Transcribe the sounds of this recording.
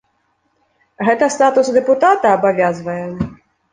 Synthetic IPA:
ɣɛt̪ɐst̪at̪usd̪ɛput̪at̪ɐːbavʲazvɐjɛ

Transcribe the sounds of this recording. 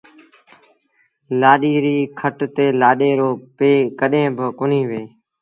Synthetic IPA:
laːɗiːɾiːkʰəʈt̪eːlaːɗeːɾoːpeːkəɗẽːbəkʊniːʋeː

